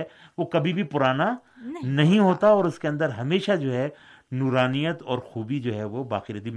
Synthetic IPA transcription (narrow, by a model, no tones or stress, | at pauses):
ɛ | ʋokɐbʱibʱipʊɾaːnanɐɦĩɦoːt̪aɔːɾʊskeɐ̃nd̪əɾɦɐmeːʃad͡ʒoːɦɛ | nuːɾaːnijət̪ɔːɾxuːbid͡ʒoːɦɛʋobaːqiɾɐt̪i